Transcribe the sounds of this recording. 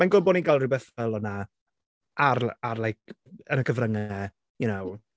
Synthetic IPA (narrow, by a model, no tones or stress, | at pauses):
majnɡʊboniɡalˠrɨbɛθɛlˠɔna | ʔaɾarlˠajkʰ | ənəkʰəvrəŋɛ | junow